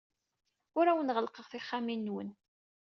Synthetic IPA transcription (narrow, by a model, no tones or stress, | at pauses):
ʊɾæwənʁəlqəʁθiχːaminːwə̰n